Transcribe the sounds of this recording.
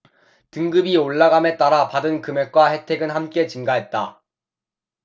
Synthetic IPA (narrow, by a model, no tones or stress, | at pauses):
tɯŋɡɯbioɭːaɡame̞t͈aɾapadɯnkɯme̞k̚k͈wahe̞tʰe̞ɡɯnhamk͈e̞t͡ɕɯŋɡaɦe̞t̚t͈a